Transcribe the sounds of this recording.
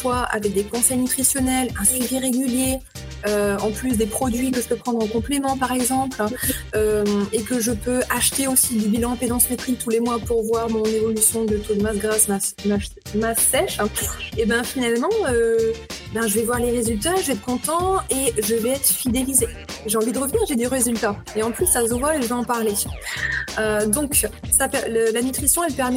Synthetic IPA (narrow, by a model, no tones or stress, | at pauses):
fwaʔa̰vɛk̚d̪ekɔ̃sɛjnyt̪χisjɔnɛlɛ̃syviʁeɡʲylje | øɑ̃plys̬d̪epχɔd̪ɥikəʒəpøpχɑ̃d̪ʁɔ̃kɔ̃plemɑ̃paʁɛɡzɑ̃plømekəʒəpøʔaʃt̪eosid̪ybilɑ̃ped̪ɑ̃smet̪χit̪ʰulemwapuʁvwaʁmɔ̃nevɔlysjɔ̃d̪ət̪od̪masɡʁasmama | masɛʃebɛ̃finalmɑ̃ø | bɛ̃ʒəvɛvwaʁleʁezylt̪aʒəɛt̪̚kɔ̃t̪ɑ̃eʒəvɛɛt̪χfid̪elize | ʒeɑ̃vid̪əʁəvniʁʒed̪yʁezylt̪a | eɑ̃plysːazəvwaeʒəveɑ̃paʁle | ød̪ɔ̃ksapɛləlanyt̪χisjɔ̃ɛlpɛʁmɛ